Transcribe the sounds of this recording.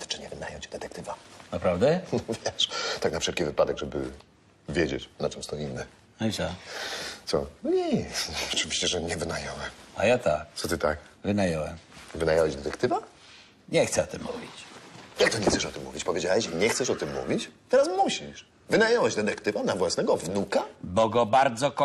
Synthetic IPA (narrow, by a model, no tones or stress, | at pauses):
t̪t͡ʂɨɲɛvɘnajɔwt͡ɕd̪ɛt̪ɛkt̪ɘvanapɾavd̪ɛnɔvʲjɛʂt̪aknafʂɛlkʲivɘpad̪ɛɡʐɛbɘ̰ | vʲjed͡ʑḛt͡ɕnat͡ʂɛmst̪ɔinːɛ | ajʐa | t̪sɔɲɛɔt͡ʂɘvʲiɕt͡ɕɛʐɛɲɛvɘnajɔwɛmajat̪ak̪sɔt̪ɘt̪akvɘnajɔwɛmvɘnajawɛʑd̪ɛt̪ɛk̚t̪ɘva | ɲɛxt̪sɛɔt̪ɨmːuvʲit͡ɕjak̚t̪ɔɲɛxt̪sɛʂɔt̪ɘmːuvʲit͡ɕpɔvʲjed͡ʑawɛɕiɲɛxt̪sɛʂɔt̪ɘmːṵvʲit͡ɕt̪ɛɾasmuɕiʂ | vɘnajɔwɛʑd̪ɛt̪ɛkt̪ɘvanavwasnɛɡɔvnukabɔɡɔbaɾd̪zɔk